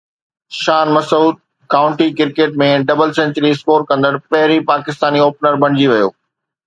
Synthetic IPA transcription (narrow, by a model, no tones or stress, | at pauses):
ʃaːnmɐsuːd̪̚ | kaːʋʊ̃ɳʈikɪɾkeːʈ̚mẽɖɐbəlsɛ̃ɲt͡ɕəɾiɪskoːɾkɐ̃nd̪əɽpɐɦɪɾipaːkɪst̪aːnioːpnəɾbʱɐɽ̃ɪ̃d͡ʑiʋɐjo̰ː